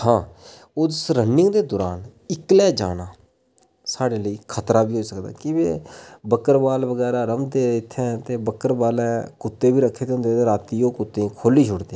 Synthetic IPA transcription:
hãː | ʊsɾənɪ̃ŋɡd̪eːd̪ɔːɾaːnɪklɛːd͡ʒa̰ːnaː | saːɖeːləiːkʰət̪ɾaːbiːɦoːiːsəkd̪a̰ːkɪbḛːbəkəɾbaːlbəɡɛːɾaːɾəmd̪eːɪt̪ʰːɛ̃t̪eːbəkəɾbaːlɛ̃ːkʊt̪ːeːbiːɾəkʰːeːt̪eʊ̃nd̪eːeːɾaːt̪iːjoːkʊt̪ːẽːkʰoːliːʃʊɽd̪ẽ

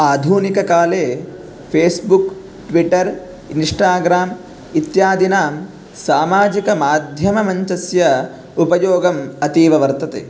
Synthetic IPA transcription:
aːd̪ʱuːnikɐkaːleː | pʰeːsbuk | ʈʋiʈɐɾ | inʂʈaːɡɾaːm | it̪jaːd̪inaːm | saːmaːd͡ʒikɐmaːd̪ʱjɐmɐmɐɲt͡ʃɐsjɐ | upɐjoːɡɐmɐt̪iːʋɐʋɐɾt̪ɐt̪ḛ

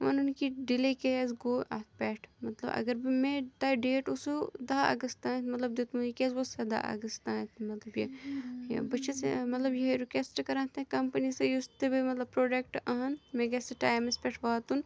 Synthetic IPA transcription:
ʋɐ̰nunkiɖilekɛːzɡoːɐt̪pɛːʈʰmɐt̪lɐbɐ̰ɡɐɾbimẽʈɐɖeːʈusud̪aːɐ̰ɡɐst̪ãːt̪mɐt̪lɐbd̪et̪mulikɛːzʋosɐd̪a̰ʔɐ̰ɡɐst̪aːt̪ʰmɐt̪lɐbjḛ | bɐt͡ʃʰesḛmɐt̪lɐbjeɾukesʈkɐɾãːt̪ekɐmpɐnisejust̪ebimɐt̪lɐbpɾoːɖekʈɐɦɐnmẽɡɛseʈaːjmispɛːʈʰʋaːt̪un

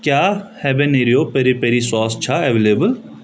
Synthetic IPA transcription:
kjaːhɛbeneɾijoːpɐɾipeɾisaːst͡ʃʰaeʋeːleːbəl

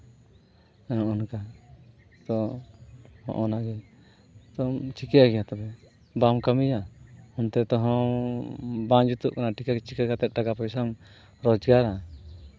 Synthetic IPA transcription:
ɛɔ̃ʔɔnka | t̪ɔ | hɔ̰̃ʔɔnaɡɛ | t̪ɔmt͡ʃikɛaɡɛjat̪ɔbɛ | bamkamijahɔnt̪ɛt̪ɔɦɔ̃ | bãnd͡ʒut̪ṵʔkanaʈikakɛt͡ʃikakat̪ɛt̪̚ˀʈaɡapɔjsam | ɾɔd͡ʒɡaɾa

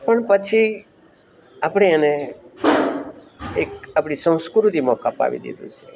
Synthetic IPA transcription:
pəɳpət͡ʃʰi | apɽeane | ekapɽ̃isə̃w̃skɾut̪imãkapa̰ʋḭd̪ḭd̪ṵ̃t͡ʃʰe

